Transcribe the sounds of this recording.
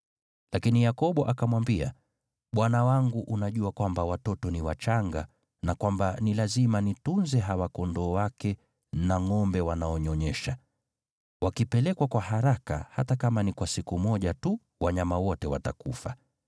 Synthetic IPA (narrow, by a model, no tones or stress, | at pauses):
lakinijakɔɓɔʔakamwambia̰ | ɓwanawaŋɡuʔunaʄuakwambawatɔtɔniwat͡ʃaŋɡa̰ | nakwambanilazimanitunzɛɦawakɔndɔwakɛ | naŋɔmbɛwanaɔɲɔɲɛʃa | wakipɛlɛkwakwahaɾaka̰hatakamanikwasikumɔʄatu | waɲamawɔtɛwa̰ta̰kufa